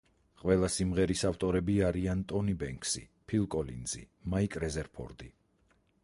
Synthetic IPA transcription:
qʼwɛlˠasimʁɛɾisaft̪ʼɔɾɛbiaɾiant̪ʼɔnibɛŋkʰsḭpʰilˠkʼɔlḭnzḭ | maikʼɾɛzɛɾpʰɔ̰ɾd̪i

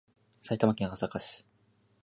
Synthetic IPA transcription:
sait̪amakʲẽŋɡasakaɕi̥

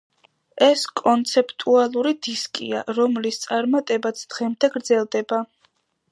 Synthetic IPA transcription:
ɛskʼɔnt̪sʰɛpʰʼt̪ʼualˠuɾid̪iskʼḭa̰ɾɔmlist̪sʼaɾmat̪ʼɛbat̪sʰd̪̥ʁɛmd̪ʰaɡɾd̪zɛlˠd̪ɛba

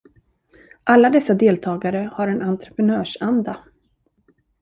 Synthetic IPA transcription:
ʔalːad̪ɛsːad̪eːlt̪ʰɑːɡaɾəhaɾɛnant̪ɾə̥pɛnœːʂand̪a

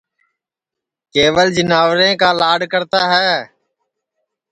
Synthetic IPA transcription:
keːʋəld͡ʒənaːʋɾẽːkaːlaːɖkəɾt̪aːɦɛː

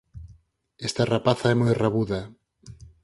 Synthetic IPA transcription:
ɛst̪arapaθaɛmojraβuða

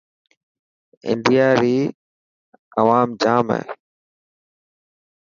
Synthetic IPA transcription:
ɪ̰ɳɖijaːɾiː | əʋaːmd͡ʒaːmɛ̰ː

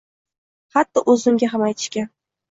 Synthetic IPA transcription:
hat̪ːɪʔɵzɪŋɡʲaɦamajt̪ʰɪ̥ʃkʲa

